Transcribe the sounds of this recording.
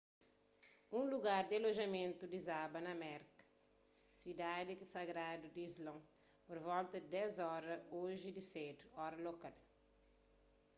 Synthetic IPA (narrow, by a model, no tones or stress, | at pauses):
ũluɡaɾd̪aloʒɐmẽnt̪ud̪izabɐnɐmɛɾkɐ̥ | sid̪ad̪ikisaɡɾad̪ud̪izlõŋ | poɾvɔlt̪ɐd̪d̪ɛzɔɾɐoʒid̪ised̪uɔɾɐlokadɐ